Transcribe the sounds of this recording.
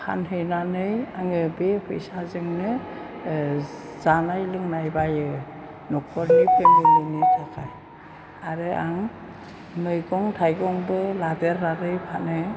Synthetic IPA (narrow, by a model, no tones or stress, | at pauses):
kʰa̰nɦɯjnanɯjaŋɯbepʰɯjsazɯŋnɯ | z̥anajlɯŋnajbajɯ | nɔk̚ʰɔɾipʰemɡɯlɯnitʰakʰaj | aɾɯaŋ | nɯjɡɔŋtʰajɡɔŋbɯladeɾːaɾɯjpʰanɯ